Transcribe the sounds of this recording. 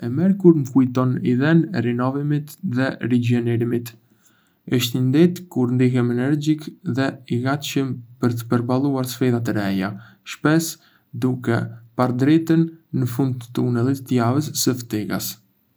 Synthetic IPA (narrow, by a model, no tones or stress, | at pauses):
ɛmɛɾkuɾməkujt̪ɔniðɛnɛɾinɔvimit̪ðɛɾid͡ʒɛnɛɾimit̪ | əʃt̪ind̪ɛt̪kuɾnd̪iɦɛmɛnɛɾd͡ʑikðɛiɡat̪ʃəmpəɾt̪ə̥pəɾbalˠuaɾsfiðat̪ɛɾɛja̰ | ʃpɛs | d̪ukɛ̰paɾd̪ɾit̪ənːəfund̪̚t̪ə̥t̪unɛlˠit̪ːəjavəs̬ːəft̪ɛɡa̰s